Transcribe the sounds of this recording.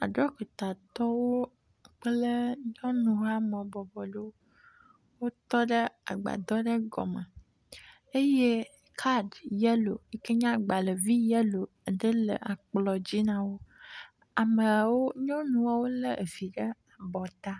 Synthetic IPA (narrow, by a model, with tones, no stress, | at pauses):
a̰˨ɖɾɔ˦ke˨t̪a˨t̪ɔ˦wo˦ | k͡plə˦ɲɔ̃˦nũ˨ɦa˦mɔ̃˨bɔ˨bɔ˨ɖe˦wo˦ | wo˦t̪ɔ˦ɖə˦a̰˨ɡ͡ba̰˨d̪ɔ˦ɖə˦ɡɔ̰˨mə˨ | e˦je˦ | kʰa˦ɖjɛ˦lo̰˨ə˦ke˦ɲã˦ɡ͡ba˨lə˨vi˦jɛ˦lo˨ɖə˦lə̰˨ʔa˨k͡plɔ˨d͡ʑi˦nã˦wo˦ | a˨mə˨wo˦ɲɔ̃˦nũ˨wa˦wo˦lə˦ʔe˨fi˨ɖə˦a˨bɔ˨t̪a˦